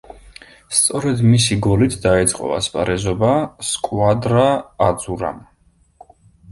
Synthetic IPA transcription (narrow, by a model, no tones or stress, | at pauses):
st̪sʼɔɾɛd̪misiɡɔlit̪ʰd̪aɛt̪sʼqʼɔ̰va̰spʼaɾɛzɔbaskʼwad̪ɾaːd̪zuɾa̰m